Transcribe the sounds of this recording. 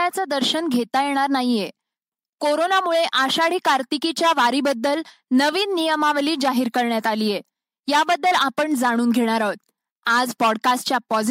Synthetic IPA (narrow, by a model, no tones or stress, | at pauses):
at͡səd̪əɾɕənɡʱet̪ajeɽ̃aɾnaɦije | koɾonamuɭeʔaɕaɽiːkaɾt̪ikit͡ɕjaʋaɾibəd̪ːəlnəʋiːnːijəmaʋliːd͡zaɦiːɾkəɾɳjat̪aliːje | jabəd̪ːəlapəɳd͡zaɽ̃uːnɡʱeɽ̃aɾat̪̚ | ad͡zpɔɽkasʈt͡ɕjapɔd͡z